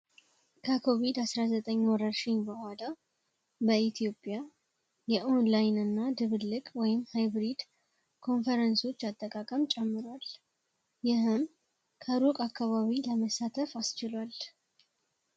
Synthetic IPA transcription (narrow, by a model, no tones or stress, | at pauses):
kʰəkʰo̞βid̪asɾazət̪ʼəɲːwɔɾəɾʃɪɲbəhʷala | bəit̪ʰijo̞pʼja | jɛʔo̞nlajnɨnːad̪ɨβɨlːɨkʼwɔjɪmhajbɾid̪ | kʰo̞nfəɾənso̞t͡ʃːat̪ʼːəkʼakʼəmt͡ʃʼɛmːɨɾwal | jɪɦɨm | kʰəɾukʼakːaβaβiləməsat̪ʰəfast͡ʃɪlwal